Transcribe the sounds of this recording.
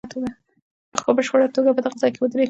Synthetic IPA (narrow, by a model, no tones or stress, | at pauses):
t̪ʰoɡa | pəxpəbəʃpəɽat̪oɡapəd̪əɣazɑjkewəd̪ɾe